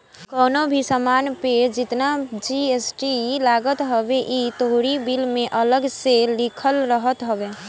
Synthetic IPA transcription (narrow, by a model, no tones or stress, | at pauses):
kɔːnobʱisəmaːnped͡ʒɪt̪nad͡ʒiesʈilaɡət̪ɦəbeʔit̪oɦɾibilmẽʔələɡselikʰəlɾəɦət̪ɦəbe